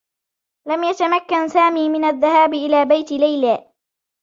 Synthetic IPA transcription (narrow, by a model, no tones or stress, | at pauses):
lamjat̪amakːansaːmiːmɪnaðːahaːbɪʔɪlaːbajt̪ɪlajlaː